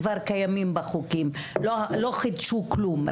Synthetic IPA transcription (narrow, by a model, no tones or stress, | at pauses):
vaɾkajamimbaχukimloloχid̪ʃuklum